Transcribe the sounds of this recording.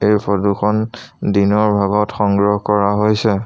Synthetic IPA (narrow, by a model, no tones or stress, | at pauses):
ejpʰɔdukʰɔndinɔɹbʱaɡɔtxɔŋɡɹɔɦkɔɹaɦojsɛ